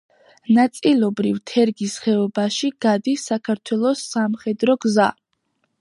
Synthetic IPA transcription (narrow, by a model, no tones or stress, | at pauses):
nat̪sʼilˠɔbɾivt̪ʰɛɾɡisχɛɔbaʃiɡ̥ad̪isakʰaɾt̪ʰwɛlˠɔsːamχɛd̪ɾɔɡza̰